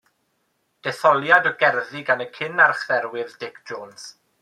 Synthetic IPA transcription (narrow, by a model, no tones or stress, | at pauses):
d̥ɛθɔlˠjadɔɡɛrðiɡanəkʰɪnarχðɛɾwɪðdɪkʰʒ̥oːns